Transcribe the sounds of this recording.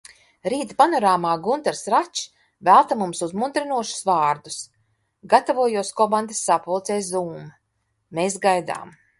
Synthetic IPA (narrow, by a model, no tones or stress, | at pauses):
ɾiːt̪panɔɾaːmaːɡunt̪ɛɾsɾat͡ʃ | vælˠt̪amumsuzmund̪ɾinuɔʃu̥svaːɾd̪us | ɡat̪avuɔjuɔskɔband̪asːapɔlˠt̪sɛːszuːm | meːsɡajd̪a̰ːm